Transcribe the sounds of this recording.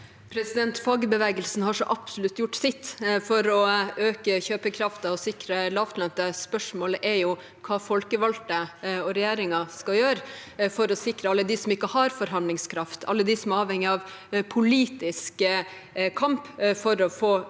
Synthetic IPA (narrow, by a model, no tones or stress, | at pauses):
pʰɾɛsɪd̪ɛnt̪fɑːɡəbəʋɛːɡəlsnhɑʂɔʔɑpsʊlʉt̪ːjʊʈːsɪt̪ːfɔɾɔøːkəçøːpəkʰɾɑft̪ɑɔsɪkɾəlɑːft̪lɑnt̪əspœʂmoːləʔɛɾjʊ | kʰɑːfɔlkəʋɑlt̪əɔɾɛjæːɾɪŋɑskɑljøːɾfɔɾɔsɪkɾəɑlːəd̪ɪsɔmɪkːəhɑɾfɔɾɦɑnlɪŋskʰɾɑft̪ʰɑ̰lːəd̪ɪsɔmɑːʋɛŋːɪɑʋ | pʰʊliːt̪ɪsk | kʰɑmpfɔɾɔfoː